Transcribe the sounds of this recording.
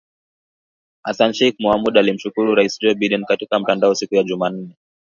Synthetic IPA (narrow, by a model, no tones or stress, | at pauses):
asanʃɛik̚muamuɗaːlim̩ʃukuɾuɾaisd͡ʒɔbidinkatikam̩tandaɔsikujaʄuman̩ːɛ